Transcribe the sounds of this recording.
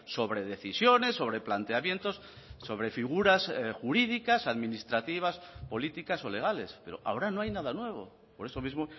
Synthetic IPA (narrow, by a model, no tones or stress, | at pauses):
so̞βɾe̞ðe̞θisjo̞ne̞sːo̞β̞ɾe̞plant̪e̞amje̞nt̪o̞s | so̞βɾe̞fiɣ̞uɾasxuɾiðikasaðmĩnist̪ɾat̪iβ̞aspo̞lit̪ikaso̞le̞ɣ̞ale̞spe̞ɾo̞̰ʔa̰o̞ɾano̞ajnaðanwe̞β̞o̞̰ | po̞ɾe̞so̞mizmo